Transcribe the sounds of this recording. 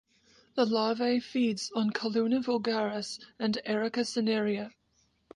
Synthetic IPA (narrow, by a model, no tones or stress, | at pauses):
ðəlɑːveɪfiːdz̥n̩kʰəlʉ̃nəvəlˠɡaɹəsə̃nɛɹɪkəsənɪɹiə